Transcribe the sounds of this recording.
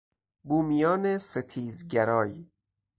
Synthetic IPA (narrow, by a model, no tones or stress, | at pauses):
buːmijɒːneset̪ʰiːzɟæɾɒːj